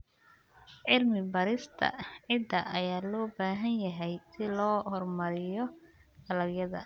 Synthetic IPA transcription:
ʕɪlmɪbɐɾɪst̪ʰɐ̰ʕɪd̪ɐʔɐjaːlɔːbaːɦɐnjɐɦɛjsɪlɔːhɔrmɐɾɪjɔ | ɐlɐɡjɐðɐ̰

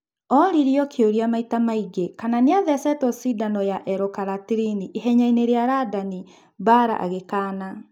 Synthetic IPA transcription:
ɔɾiɾiɔkʰeoɾiamaitamaiɡekananeaðɛsɛtɔsidanɔjaʔɛɾokaɾatiɾiniʔeɦɛɲaineɾeaɾadani | baɾa̰ʔa̰ɣekaːna

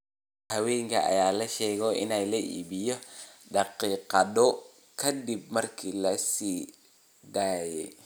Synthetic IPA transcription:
hɐwɛːjŋkʰɐʔɐ̰jaːlɐʃɛːɣɔʔɪ̰nɛjlɐʔḭːbɪjɔɖɑqiːqɑdɔ | kʰɐd̪ib̚mɐrkʰiːlɐsiː | d̪aːjɛj

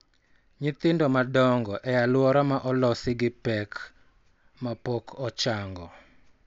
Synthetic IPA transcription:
ɲɪt̪ɪndɔmadɔŋɡɔʔɛjalwɔɾɔmaʔɔlɔsɪɡɪpɛk | mapɔkʰɔt͡ʃaŋɡɔ

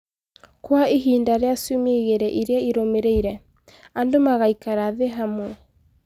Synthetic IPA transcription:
kwaeɦiːndaɾeasumeɣeɾɛʔiɾeaiɾomeɾeiɾɛ | andomaɣaikaɾaðeɦamo

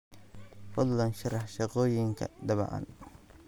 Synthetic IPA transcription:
fʊlːɐnʃɑɾɑħʃɑqɔːjɪŋkʰɐ̰d̪ɐβɐ̰ʔɐ̰n

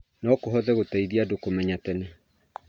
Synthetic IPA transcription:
nɔkoɦɔðɛɣotɛiðiadokomɛɲatɛne

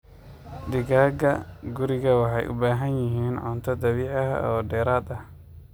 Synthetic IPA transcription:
d̪ɪɣaːɡɐɡʊɾɪɣɐwɑħɑjʔʊ̰baːɦɐnjɪɦiːnʕɔːnt̪ʰɐd̪ɐβiːʕɐɦɐ̰ɔːɖɛːɾaːd̪ɐh

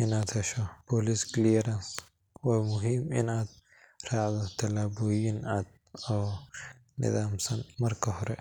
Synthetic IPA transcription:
ʔɪnaːd̪hɛʃɔbɔːlisklijɛɾɐns | waːmʊɦiːmɪ̰naːd̪̚ | rɑːʕd̪ɔt̪ʰɐlaːbɔːjɪnaːd̪̚ | ɔː | nɪ̰ðaːmsɐnmɐrkʰɐɦɔɾɛ̰

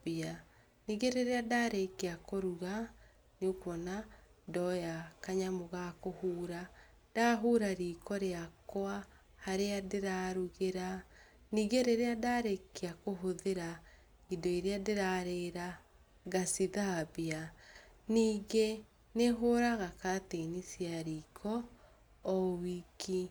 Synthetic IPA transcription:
bia | niːɣeɾeɾeadaɾekeakoɾuɣa | neokwɔnadɔjakaɲamoɣakohuːɾa | d̥aɦuɾaɾiːkɔɾeakwa | haɾeadeɾaɾuɣeɾa | niːɣeɾeɾeadaɾekːiakoɦoðeɾa | idɔiɾeadeɾaɾeɾa | ɣasiðabianiːɣe | neɦoɾaɣakatenisjaɾiːkʰɔː | wiki

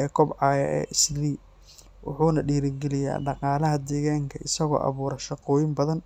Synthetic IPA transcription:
ɛːkʰɔbʕɑːjɐ̰ʔɛ̰ːʔɪsliː | wʊ̰ħuːnɐɖiːɾɪɡɛlɪja̰ːɖɑqɑːlɐɦɐd̪ɛːɣaːŋkʰɐɪsɐɣɔ̰ːʔɑ̰βuːɾɐʃɑqɔːjɪmbɐðɐn

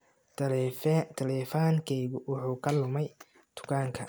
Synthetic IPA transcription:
t̪ʰɐlɛfaːŋkʰɛjɣʊwʊħuːkʰɐlʊmɛj | t̪ʰʊ̥kʰaːŋkʰɐ̰

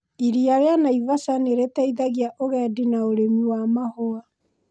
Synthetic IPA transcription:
iɾiaɾeanaivasaneɾetɛiðaɣiaʔoɣɛːdinaoɾemiwamahoa

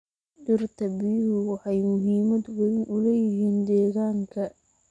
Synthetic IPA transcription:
dɪrt̪ʰɐbɪhʊwɑħɑjmʊɦiːmɐd̪wɐðɪnʔʊlɛjɪɦiːnd̪ɛːɣaːŋkʰɐ

